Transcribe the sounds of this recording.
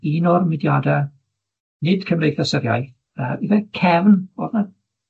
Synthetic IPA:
inɔrmɪdjaːdɛ | nɪd̥kʰəmrejθasəɾja̰jθ | əivɛkʰɛvnb̥oːdnad

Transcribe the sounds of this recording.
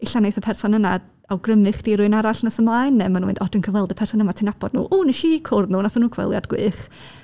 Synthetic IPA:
ɪɬanejθəpʰɛrsɔnəna | awɡrəmɨχd̥iːɾʊɨnaɾaɬnəsəmlˠaːɨnːɛmanuwɪ̰ndɔdənkʰəwɛlˠdəpʰɛrsɔnəmatʰinabɔd̥nṵːʔuːnəʃikʰʊrðnuːnaθanuːkʰwɛ̰lˠja̰dɡ̥wɨ̰ːχ

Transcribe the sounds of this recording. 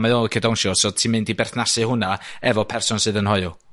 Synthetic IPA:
maðɔlˠkʰədɔnʃɔsɔ̥tʰiːmɨndibɛrθnasɨhʊnaɛvɔpʰɛrsʊnsɨːðənhɔjʊ

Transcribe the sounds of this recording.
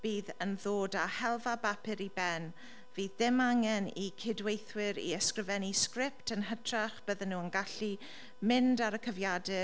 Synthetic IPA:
b̥iːðənðoːdahɛlˠvabapʰɪɾibɛn | viːðːɪmaŋɛnikʰɪdwejθwɪɾḭɛskrɪvɛniskrɪptʰənɦətʰraχb̥əðənːuːənɡaɬi | mɪndaɾəkʰəvjadɛ

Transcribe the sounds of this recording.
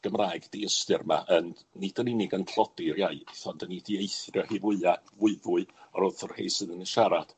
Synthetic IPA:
ɡ̥əmraːjɡdiəstɨrma̰ʔənd̥nid̥əninɪɡəntʰrɔdɪrjaɨθɔndənidiejθrjɔhivʊɨavʊɨvʊɨɔɾɔθʊrhḛjsɨðənəʃaɾad̥

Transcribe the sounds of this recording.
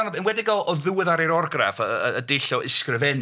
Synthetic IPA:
nbɛnwɛdɪɡɔʔɔðɨwɪðaɾeɾɔrɡra̰fəəədejɬɔʔɪskrɪvɛn

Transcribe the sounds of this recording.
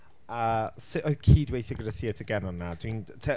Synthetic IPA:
asɪʔɔjðkʰiːdwejθjɔɡəɾəθiɛtʰəɡɛnɔnːadwintʰɛ

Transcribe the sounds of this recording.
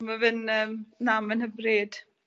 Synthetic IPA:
məvɨnəːmnamənhəbrɨd̥

